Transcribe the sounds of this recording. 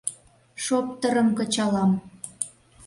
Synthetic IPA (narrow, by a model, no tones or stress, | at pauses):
ʃop̚t̪əɾə̆mkə̆t͡ɕɑlɑm